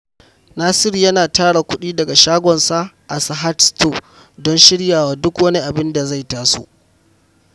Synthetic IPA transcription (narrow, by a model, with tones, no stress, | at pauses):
naː˦sɪ˦ɾjɐ˦naː˨taː˦ɽa˨kʷʊ˦ɗiː˦dɐ˨ɡa˨ʃaː˦ɡʷɔ˨nsa˦ʔa˨sa˨ɦa˦tsto˦˨ | dɔ˦nʃɪ˦ɽjaː˨waː˦dʊ˦kwɐ˦ni˦ʔa˨bɪ˦nda˨za˦˨jtaː˦so̰˦ʔ